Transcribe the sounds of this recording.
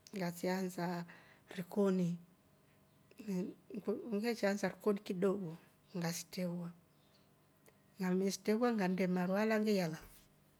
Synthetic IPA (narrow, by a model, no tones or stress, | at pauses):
ŋɡat͡ʃianzaɾikɔni | ŋɡɛt͡ʃanzaɾikɔnikiɗɔɡɔ | ŋɡasi̥tɛwa | ŋɡamɛsi̥tɛβwaŋɡandɛmaɾwalaŋɡɛjala